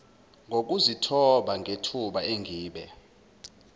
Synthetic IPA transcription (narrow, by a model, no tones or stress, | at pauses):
ŋɡʱok̬uzitʰɔɓaŋʱetʰuɓaeŋɡʱiːɓɛ